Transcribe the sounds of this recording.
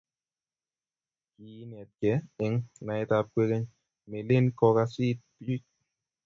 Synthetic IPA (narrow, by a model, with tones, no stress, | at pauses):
kiː˨˦nɛ˨t̚kɛ˨˦ɪ˦ŋna˨ɪ˦ta˧p̚kwe˦ke˦ɲ | me˨le˦n˦kɔ˧ka˧si˦t̚pi˦